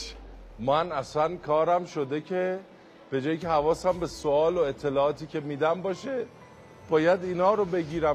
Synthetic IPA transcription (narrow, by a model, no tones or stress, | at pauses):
mænæsænkʰɒːɾæmʃo̞d̪e̞cʰe̞ | b̥e̞d͡ʒɒːjicehævɒːsæmbe̞soɒːloe̞t̪ʰːe̞lɒːʔɒːt̪ʰiːcʰe̞miːd̪æmbɒːʃe | b̥ɒːjæd̪iːnɒːɾobe̞ɟiːɾæm